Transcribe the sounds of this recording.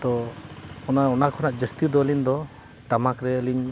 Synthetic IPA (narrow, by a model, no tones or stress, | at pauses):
t̪ɔ | ɔnaɔnakʰɔnaʔd͡ʒəst̪ud̪ɔəlind̪ɔ | t̪amakɾɛəliɲ